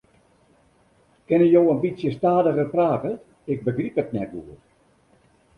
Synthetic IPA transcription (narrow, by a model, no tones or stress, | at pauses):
kɪnəjowənbisjəstaːdəɣərpraːkə | ɪk̚bəɡripətnɛtɡuər